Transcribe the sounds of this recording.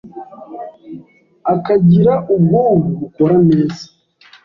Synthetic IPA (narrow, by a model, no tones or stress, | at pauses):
akaɟiɾaʔubɡoːmuβuko̞ɾaneːzi̥